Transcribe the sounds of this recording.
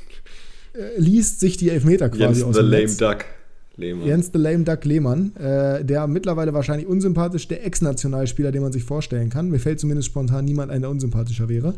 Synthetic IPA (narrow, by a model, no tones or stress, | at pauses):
ʔɛliːstz̥ɪçd̥iːɛlfmeːtɐkvaːziaʊðlɛmdak | lejɛnstðəlɛɪmdakleːmanʔɛːdeːɐmɪtlɐvaɪləvaːɐʃaɪnlɪçʔʊnzʏmpʰaːtɪʃd̥eːɐʔɛksnat͡sjonaːlʃpiːlɐdeːnmanzɪçfoːɐʃtɛlənkanmiːɐfɛlt̚t͡sumɪndəstʃpɔntʰaːnːiːmantʔaɪnaɐʔʊnzʏmpʰaːt̬ɪʃɐvɛːʁə